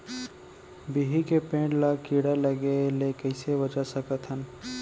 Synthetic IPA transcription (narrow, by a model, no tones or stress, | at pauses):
biɦikepẽːʈlakiːɽaləɡelekəɪseʋɐt͡ʃasəkət̪ʰɦən